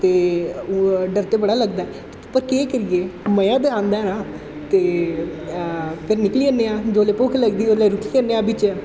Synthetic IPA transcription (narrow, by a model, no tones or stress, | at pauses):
t̪eː | ɖəɾt̪eːbəɽaːləɡd̪aːɛpəɾkeːkəɾieːməjãːd̪eãːnd̪aɛnaː | t̪eː | pʰɪɾnɪkliːənːeːãːd͡ʒoːleːpoːkʰləɡd̪iːoleːɾʊkʰiːənːeːaːbɪt͡ʃɛː